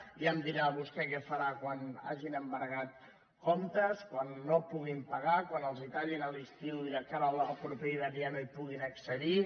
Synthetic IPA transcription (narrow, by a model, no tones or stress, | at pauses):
iəmd̪iɾaβust̪ɛkɛfəɾakwana̰ʒinəmbəɾɣat̪ | kɔmt̪əskwanːopuɣimpəɣakwanəlˠzit̪aʎinəlist̪iwiðəkaɾəlˠəlˠpɾupɛiðəlianuipuɣinəksəði